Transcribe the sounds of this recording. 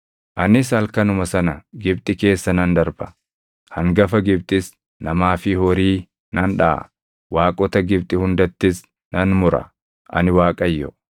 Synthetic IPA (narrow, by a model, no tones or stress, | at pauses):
ʔɐnɪsɐlkɐnʊmɐsɐnɐɡɪbt̪ʼɪke̞ːsːɐnɐnd̪ɐɾbɐ | hɐŋɡɐfɐɡɪb̚t̪ʼɪs | nɐmaːfɪhɔɾiː | nɐnᶑɐ̰ʔɐ̰ | waːkʼɔt̪ɐɡɪbt̪ʼɪhʊnd̪ɐt̪ːɪs | nɐnmʊɾɐ̰ | ʔɐ̰nɪwaːkʼɐjːɔ